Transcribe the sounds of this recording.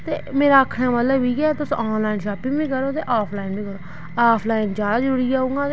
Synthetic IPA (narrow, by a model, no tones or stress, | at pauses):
t̪eːmeːɾaːəkʰɽãːmət̪ləbiːɡɛːt̪ʊsaːnlaːɪnʃaːpɪ̃ŋbĩːkəɾoːt̪eːʔaːpʰlaːɪnbiːkəɾoː | aːpʰlaːɪnd͡ʒaːd̪aːd͡ʒəɾuːɾiːaːũːŋɡaːt̪